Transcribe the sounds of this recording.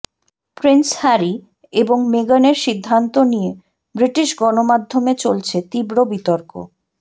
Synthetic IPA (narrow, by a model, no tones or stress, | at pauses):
pɾenshaɾi | eboŋmeɡaneɾʃid̪ʱːant̪onije | bɾiʈiʃɡɔnomad̪ʱːomet͡ɕolt͡ɕʰet̪ibɾobit̪oɾko̰